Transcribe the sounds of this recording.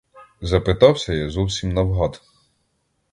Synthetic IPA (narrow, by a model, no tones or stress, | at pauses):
zɐpɪt̪ɑwsʲɐjɑzɔwsʲimnɐwɦɑd̪